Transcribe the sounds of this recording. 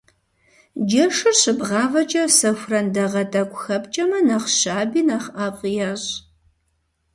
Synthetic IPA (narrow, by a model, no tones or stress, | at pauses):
d͡ʒɐʂɨrɕɨbʁɑːvɐt͡ʃʼɐsɐxʷrɐndɐʁɐtʼɐkʷʊxɐpt͡ʃʼɐmɐnɐχɕaːbiːnaχaːqʷʼjaɕ